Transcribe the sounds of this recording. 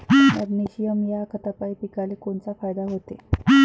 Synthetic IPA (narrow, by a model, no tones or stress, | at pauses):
ə̰ɾniɕijəmjakʰət̪apaipikalikoɳt͡safajd̪aɦot̪e